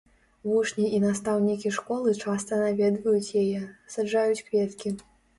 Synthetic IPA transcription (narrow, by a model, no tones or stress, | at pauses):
vuʂnʲiʔinast̪awnʲikʲiʂkɔlˠɨt͡ʂast̪ɐnavʲɛd̪vɐjut͡sʲjajɛsaʐajut͡sʲkvʲɛt̪kʲi